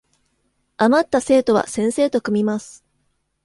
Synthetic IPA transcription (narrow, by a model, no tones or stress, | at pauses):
amat̪ːase̞ːt̪o̞β̞a̰sẽ̞ɰ̃se̞ːt̪o̞kɯ̟mʲimasɨ̥